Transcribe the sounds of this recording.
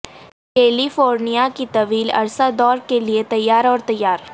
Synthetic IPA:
keːlifoːɾnijakit̪ɐʋiːlɐ̰ɾsad̪ɔːɾkeliet̪ɐjːaːɾɔːɾt̪ɐjːaːɾ

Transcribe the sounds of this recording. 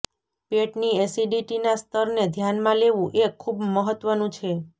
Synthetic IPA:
peʈniesiɖiʈinast̪ʰəɾned̪ʱjanmãleʋũʔekʰːubməɦət̪ʋənũt͡ʃʰe

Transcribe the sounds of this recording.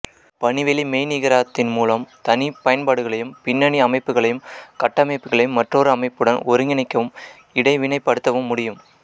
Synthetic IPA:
pɐɳɪʋɛlimeːnɪɣɐɾaːt̪ːɪnmuːlɐmt̪ɐnipɐjɐnpaːɽɯɣɐɭɐjɯmpɪnːɐɳiɐmɐɪpːɯɣɐɭɐjɯmkɐʈːɐmɐɪpːɯɣɐɭɐjɯmːɐʈroːɾɯɐmɐɪpːɯɽɐnɔɾɯŋɡɪnɐɪkːɐʋɯm | ɪɽɐɪʋɪnɐɪpːɐɽɯt̪ːɐʋɯmːʊɽɪjɯm

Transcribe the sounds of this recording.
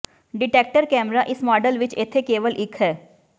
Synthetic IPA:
ɖɪʈeːk̚ʈəɾkɛːmɾaʔɪsmɔːɖəlʋɪt͡ʃɪt̪ʰːekeːʋəlʔɪkʰɦɛː

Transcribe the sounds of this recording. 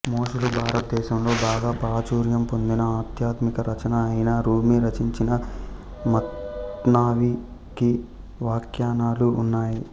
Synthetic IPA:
moːʂulubʱaːɾɐt̪̚d̪ɛːʃɐmlo̞ːbaːɡaːpɾaːt͡ʃuːɾjɐmpo̞nd̪inɐaːt̪jaːt̪mikɐɾɐt͡ʃɐnɐɐjinaːɾuːmiɾɐt͡ʃiɲt͡ʃinɐ | mɐt̪naːʋi | ki | ʋaːkjaːnaːluːnːaːji

